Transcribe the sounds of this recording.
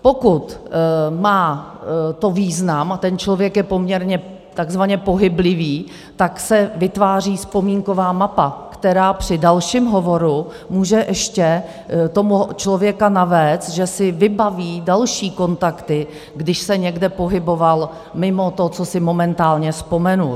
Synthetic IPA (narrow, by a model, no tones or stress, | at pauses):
pokut̪maːt̪o̞viːznamat̪ɛnt͡ʃlovjɛkjɛpo̞mɲɛɾɲɛ | t̪aɡzvaɲɛpoɦɪblɪviː | t̪aksɛvɪt̪vaːriːspo̞miːŋko̞vaːmapakt̪ɛɾaːpr̝̥ɪdalʃimɦo̞vo̞ɾu | muːʒɛʔɛʃcɛ | t̪o̞mut͡ʃlo̞vjɛkanavɛːt͡st̪ʒɛsɪvɪbaviːdalʃiːko̞nt̪akt̪ɪ | ɡdɪʃsɛɲɛɡdɛpo̞ɦɪbo̞val | mɪmot̪ot͡sosɪmo̞mɛnt̪aːlɲɛspo̞mɛnu